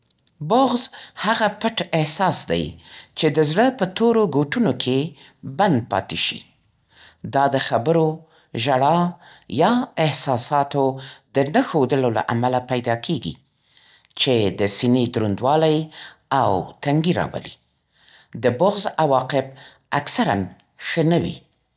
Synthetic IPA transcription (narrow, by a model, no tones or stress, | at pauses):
bʊɣzhaɣapəʈɪhsɑsd̪a̰jt͡ʃed̪əzɽəpət̪oɾoɡoʈunokʰe | band̪̚pɑ̰t̪eʃḭ | d̪ɑd̪əxabəɾo | ʒaɽɑjɑɪhsɑsɑt̪od̪ənəxod̪əlola̰ʔamalapajd̪ɑkʰeɡḭ | t͡ʃed̪əsined̪ɾund̪wɑlajawt̪aŋɡiɾɑ̰bə̰lḭ | d̪əbʊɣzawɑqɪb̚ | aksaɾa̰n | xənəwḭ